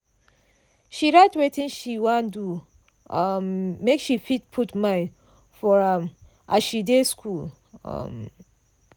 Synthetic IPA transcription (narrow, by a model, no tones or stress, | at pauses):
ʃiɹaɪtwetĩnʃiwãndu | ʌmːekʃifit̚pʰutmãɪn | fɔɹʌm | ʔaʃideskʰul | ʌ̰m